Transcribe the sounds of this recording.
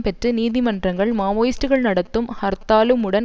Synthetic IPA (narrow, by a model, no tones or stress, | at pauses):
pɛʈrɯniːðimɐndrɐŋɡɐɭmaːʋoːjɪsʈɯɣɐɭnɐɽɐt̪ːɯmhɐɾt̪ːaːlɯmɯɽɐn